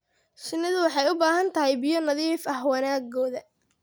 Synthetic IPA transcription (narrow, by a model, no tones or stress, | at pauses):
ʃɪnːɪðʊwɑħɑjʊbaːɦɐnt̪ʰɐɦɛjbɪjɔnɐðiːfɐhwɐnaːɡɔːðɐ